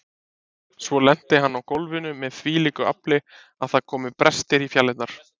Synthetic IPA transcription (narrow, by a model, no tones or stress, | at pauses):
svɔlɛn̥t̪ɪɦanːawkowlvɪnʏmɛðθviːliːkʏa̰plɪ | aðθaðkʰɔːmɪpɾɛst̪ɪɾifjalːɪt̪naɾ̥